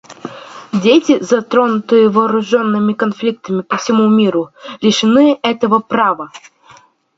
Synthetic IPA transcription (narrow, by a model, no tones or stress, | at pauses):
dʲetʲɪzɐt̪ɾo̞nʊt̪ɨjəvɐːɾʊʐo̞nːɨmʲɪkɐnflʲik̚t̪əmʲɪpəfsʲɪmumʲiɾʊlʲɪʂɨnɨɛt̪əvəpɾavə